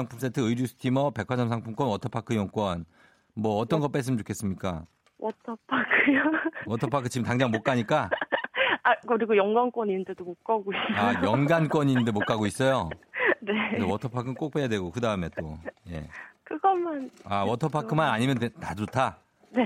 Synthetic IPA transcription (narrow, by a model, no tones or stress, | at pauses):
aŋpʰums͈etʰɯɯiɾjusʰɯ̥tʰimʌpe̞kʰad͡ʑʌmsʰaŋpʰumk͈wʌnwʌtʰʌpʰakʰɯjʌŋk͈wʌn | mwʌːt͈ʌnɡʌt̚p͈es̬͈ɯmnt͡ɕʰokʰes͈ɯmɲik͈a̰ | wʌtʰʌpʰakʰɯjowʌtʰʌpʰakʰɯt͡ɕiɯmtaŋd͡ʑaŋmok͈aɲik͈a | akɯɾiɡojʌŋɡank͈wʌɲindedomok͈aɡoisajʌŋɡank͈wʌɲinndɯmok͈aɡois͈ʌjoneewʌtʰʌpʰakʰɯnk͈ok̚p͈ejadwe̞ɡokɯdaɯme̞t͈oje̞̰kɯɡʌmanawwʌtʰʌpʰakʰɯmanaɲimjʌntad͡ʑotʰa | ne̞